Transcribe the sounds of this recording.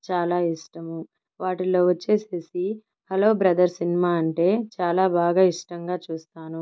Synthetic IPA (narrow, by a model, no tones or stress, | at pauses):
t͡ʃaːlaːiʂʈɐmu | ʋaːʈilo̞ːʋɐt͡ʃːe̞ːseːsi | hɐloːbɾɐd̪ɐɾsinimaːɐɳʈe̞ːt͡ʃaːlaːbʱaːɡaːiʂʈɐŋɡaːt͡ʃuːst̪aːnu